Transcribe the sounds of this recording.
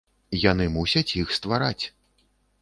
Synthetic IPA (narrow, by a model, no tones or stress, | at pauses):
jan̪ɨmusʲɐt͡sʲjixst̪vaɾat͡sʲ